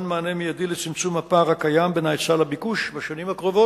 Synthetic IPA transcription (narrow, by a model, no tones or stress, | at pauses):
nmaːnemijad̪ilet͡simt͡sumhapaːʁakajambenajt͡salabikuʃbaʃonimhakʁovo